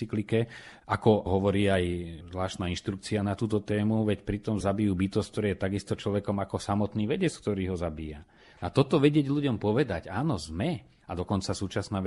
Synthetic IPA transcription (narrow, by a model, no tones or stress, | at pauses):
iklikɛakɔɦɔʋɔɾiːajzlaːʃnaːinʃt̪ɾukt͡sianat̪uːt̪ɔt̪ɛːmuʋɛcpɾit̪ɔmzabijuːbit̪ɔstk̚t̪ɔɾɛːjɛt̪aɡist̪ɔt͡ʃlɔʋɛkɔmakɔsamɔt̪niːʋɛɟɛt͡skt̪ɔɾiːɦɔzabiːja | at̪ɔt̪ɔʋɛɟɪɛɟʎuɟɔmpɔʋɛd̪aɟaːnɔzmɛ | ad̪ɔkɔnt͡sasuːt͡ʃasnaː